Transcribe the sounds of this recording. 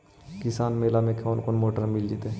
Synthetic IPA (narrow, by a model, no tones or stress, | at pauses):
kɪsaːnmeːlamẽkʰoːnkonmoːʈəɾmɪld͡ʒit̪e